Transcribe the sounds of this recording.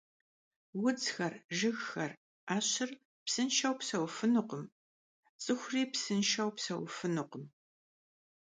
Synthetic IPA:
wʊd͡zxɐrʒɨɣxɐr | aːɕɪr | psɨnʃɐwpsɐwfɨnʊqəm | t͡sʼɨxʷʊriːpsɨnʃɐwpsɐ̰wfɨnʊqəm

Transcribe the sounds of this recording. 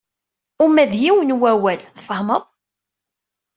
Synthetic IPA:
ʊmæðhiwənwæwælθfəhməðˤ

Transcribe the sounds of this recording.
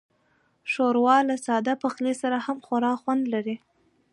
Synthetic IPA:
ʃoɾwɑlasɑd̪apaxlesaɾahamxwaɾɑxwand̪laɾi

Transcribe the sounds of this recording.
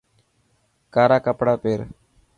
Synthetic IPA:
kaːɾaːkəpɽaːpeːɾ

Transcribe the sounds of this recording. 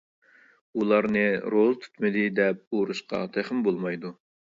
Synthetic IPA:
ulˠɑɾnɨɾolˠt̪ʰy̥t̪mɪd̪ɪd̪ɛp̚oɾuʃqʰɑ̰t̪ʰæχɪmbolˠmɑjd̪u

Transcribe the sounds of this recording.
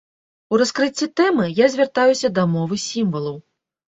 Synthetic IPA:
uɾaskɾɨt͡sʲːit̪ɛmɨjazʲvʲart̪ajusʲɐd̪ɐmɔvɨsʲimvɐlˠɐw

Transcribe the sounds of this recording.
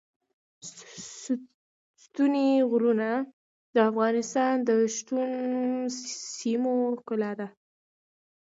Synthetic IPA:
st̪uneɣɾuna | d̪əafɣɑnɪst̪ɑnd̪əʃt̪un | simokəlad̪a

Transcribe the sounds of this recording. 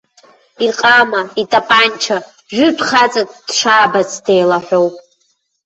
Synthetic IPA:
irqʼamaitʼapʼant͡ʃʰa | ʒᶣʷʊtʷʰʼχat͡sʼatd̥ʂaːbazde̞jlaħʷᶣo̞wpʼ

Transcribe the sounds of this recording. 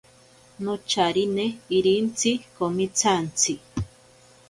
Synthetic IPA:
not͡ʃaɾineiɾint͡sʰikomit͡sʰant͡sʰi

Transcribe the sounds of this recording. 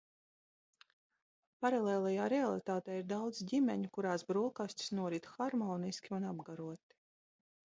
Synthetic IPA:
paɾalˠeːlˠajaːɾɛalˠit̪aːt̪ɛːiɾd̪awd̪zɟʲimʲɛɲukuɾaːsbɾuɔkasʲt̪ʲi̥snuɔɾit̪xaɾmɔːniskʲiunabɡaɾuɔt̪i̥

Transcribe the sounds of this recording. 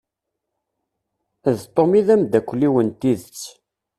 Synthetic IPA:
ðt̪ˤːomiðæmd̪ækʷːlːiwənt̪iðt͡sː

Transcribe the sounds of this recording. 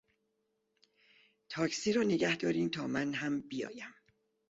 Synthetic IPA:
t̪ʰɒːcsiːɾɒːneɟæhd̪ɒːɾiːnt̪ʰɒːmænɦæmbijɒ̰ːjæm

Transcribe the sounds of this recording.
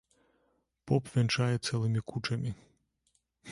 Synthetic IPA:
pɔpʋʲɛnt͡ʃajɛt̪sɛlˠɪmʲikut͡ʃɐmʲi

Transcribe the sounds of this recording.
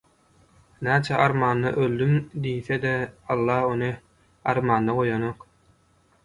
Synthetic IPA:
næːt͡ʃʰæʔɑɾmɑːnːɑ̰ʔølʲd̪ymd̪ijθed̪eɑlˠːɑːhonɯ | ɑɾmɑːnːɑʁo̞jonoq

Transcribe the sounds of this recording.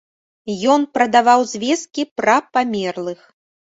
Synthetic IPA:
jɔnpɾɐd̪avawzʲvʲɛs̚kʲipɾɐpamʲɛrlˠɨx

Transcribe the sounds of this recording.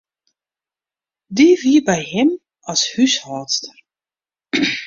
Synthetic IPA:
diviːbɛjɦɪm | ɔshyshɔːtstər

